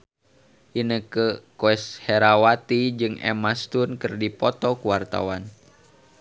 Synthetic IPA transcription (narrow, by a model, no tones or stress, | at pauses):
ʔinəkəkoɛshɛɾawat̪id͡ʒɨŋɛ̰mast̪unkɨrdipɔt̪ɔkuwart̪a̰wan